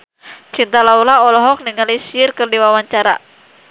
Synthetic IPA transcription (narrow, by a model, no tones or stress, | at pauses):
t͡ʃint̪alaulaɔlɔɦɔk̚niŋalisiɪrkɨrdiwawaɲt͡ʃaɾa̰